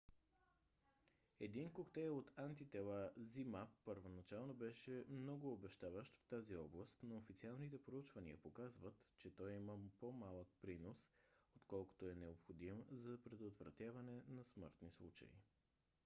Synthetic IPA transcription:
ɛd̪inkokt̪ɛjot̪ant̪it̪ɛlˠazimapːəɾvonɐt͡ʃalˠnobɛʃɛmnɔɡʊːbɛʃt̪avəʃt̪ft̪aziɔblˠəst̪noofit̪sialˠnit̪ɛpɾout͡ʃvɐniəpokazvət̪t͡ʃɛt̪ɔjiməpomalˠək̚pɾinosot̪kɔlˠko̥t̪oɛnɛopxod̪imzɐpɾɛd̪ot̪vɾɐ̰t̪ʲjavɐnɛnɐsmɤ̰ɾt̪nislˠut͡ʃɐ̰ḭ

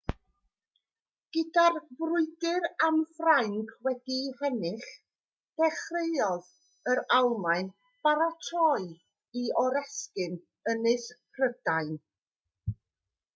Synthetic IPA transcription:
ɡ̥ədarvrʊɨdɨɾamfrajŋkʰwɛdihɛnɪχ | d̥ɛχreɨɔð | əɾawmaɨn | b̥aɾatʰɔɨ | iɔɾɛskɨn | ənɨspʰrəd̥aɨn

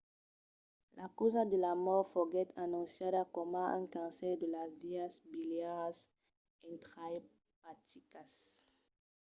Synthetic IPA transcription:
lakuzad̪əlamɔʁfoɡɛt̪ʰanũnsjadakomaa̰ŋkãnsɛʁd̪əlazviasbiljaʁas | ẽnt̪χaj | pat̪ikas

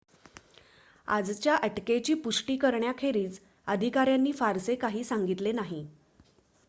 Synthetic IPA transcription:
a̰d͡zt͡ɕjaʔəʈket͡ɕiːpuʂʈiːkəɾɳjakʰeɾiːd͡z | əd̪ʱikaɾjanːiːfaɾsekaɦiːsaŋɡit̪lenaɦi

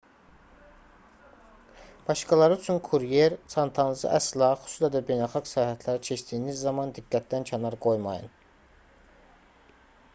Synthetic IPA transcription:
b̥ɑʃkɑlˠɑɾɯyt͡ʃʰynkʰuɾijeɾt͡ʃʰɑnt̪ʰɑnzɯ̰ʔæslˠɑxy̥suslæd̪æbe̞jnælˠχɑɡsæjhæt̪ʰlæɾit͡ʃʰe̞ʃd̪iːnizːɑmɑnd̪iɡːæt̪̚d̪æncʰænɑɾɡo̞jmɑ̰jɯ̰n

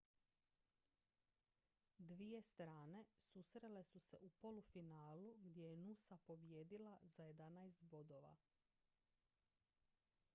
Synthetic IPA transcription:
d̪ʋije̞st̪ɾaːne̞susɾe̞le̞suse̞ʔupo̞lufinaːluɡd̪je̞jenusapo̞bje̞ːd̪ilazaje̞d̪anajest̪bo̞d̪o̞ʋa̰

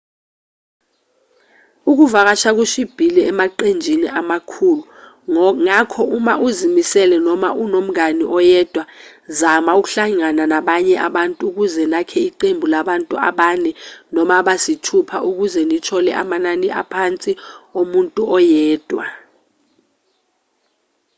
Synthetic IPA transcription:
uk̬uvak̬at͡ʃʰak̬uʃib̥ʱiliɛmaǃend͡ʒʱinḭʔamakʰulu | ŋakʰɔumaʔuzimisɛlɛnɔma̰ʔunom̩aniʔɔjɛd̥ʱwa | zamauk̬uɬaŋananaɓaɲɛʔaɓantʼuːk̬uzɛnakʰɛiǃembʱulaɓantʼua̰ɓanɛnɔmaɓasitʰupʰaʔuk̬uzɛnit͡ʃʰɔlɛ̰ʔa̰mananiʔa̰pʰant͡sʼiomuntʼuɔjɛːd̥ʱwa

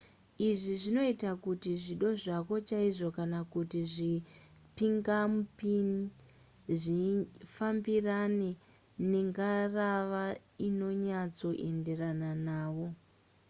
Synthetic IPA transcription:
iʐiʐino̞itakutiʐiɗo̞ʐako̞t͡ʃaiʐo̞kanakutiʐi | piŋɡamupini | ʐifambirane̞ | ne̞ŋɡaraʋaino̞ɲat͡so̞ʔe̞nde̞rananaːʋo̞

